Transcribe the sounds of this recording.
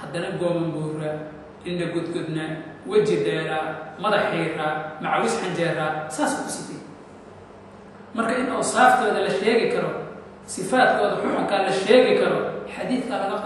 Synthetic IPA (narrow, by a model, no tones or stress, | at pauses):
hɐd̪ɐnɐɡɔːmɐmbuːrɐ | ʔɪnɖɐɡɔd̪ɡɔd̪nɐwɐt͡ʃɪɖɛːɾaːmɐðɐħiɾaːmɑʕwʊsħɑɲd͡ʒɛːraːsaːsʊkʰʊsɪt̪ɛ | mɐrkʰɐɪnʔɐwsaːft̪ʰɔːðɐlɐʃɛːɣɪkʰɐɾɔ | sɪfaːd̪kʰɔːðɐħʊħʊŋkʰɐlɐʃɛːɣɪkʰɐɾɔħɑðiːθʰɐlɐɣɐ